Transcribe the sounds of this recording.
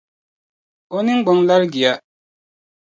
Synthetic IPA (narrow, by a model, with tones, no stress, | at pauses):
ɔ˦ni˦ŋ͡m̩˦ɡ͡bɔ˨ŋ˦la˦lɡi˨a˦